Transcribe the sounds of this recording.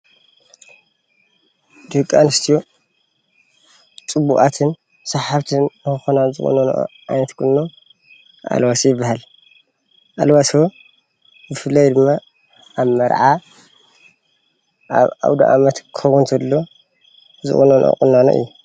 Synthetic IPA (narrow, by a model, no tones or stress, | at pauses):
d̪ɨkʼːanɨst̪ʰijo | t͡sʼɨbuʔʼat̪ʰɨn | sɐħaβt̪ʰɨnnɨkɨxonazɨχʼṵnono̰ʔʕa̰jnɐt̪kʰʼɨnːo | ʔa̰lwasjɪbːahal | ʔalwaswo | bɨfɨlːajd̪ɨmːa | ʔaβmɐɾʕa | ʔa̰βa̰wd̪a̰ʔa̰mɐt̪kʰɐwunt̪ʰɐlːo̞ | zɨ̰χʼunonʔo̰kʼunːano̰ʔɨ̰jːu